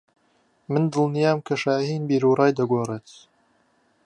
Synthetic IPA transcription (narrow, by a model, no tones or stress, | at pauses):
mɨnd̪ɨlˠnijaːmkʰɐʃaːhiːnbiːɾuːɾɑːjd̪ɐɡʷoːreːt̪